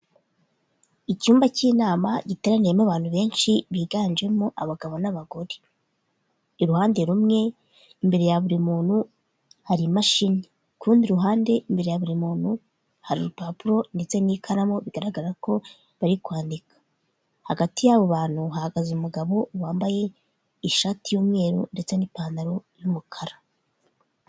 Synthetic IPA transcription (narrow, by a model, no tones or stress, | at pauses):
icuːmbaciːnaːmaɟite̞ɾanijemaβaːn̥huβe̞ːnʃiβiːɡaːnd͡ʒe̞moʔaβaɡaβo̞naβaɡo̞ɾe̥ | iɾuhaːnde̞ɾumŋe̞ | imbe̞ɾe̞jaβuɾimuːnhu | haɾimaʃini | kʰuːndiɾuɦaːnde̞imbe̞ɾe̞jaβuɾimuːnhu | haɾḭɾupapuɾo̞nde̞t͡se̞nikʰaɾamo̞βiɡaɾaɡaɾaɾako̞ | βaɾikwaːndikʰḁ | haɡatijaβo̞βaːn̥huɦahaɡazumuɡaβo̞waːmbaje̞ | iʃaːtijuːmŋe̞ːɾṵnde̞t͡se̞nipaːndaɾo̞jumukʰaɾa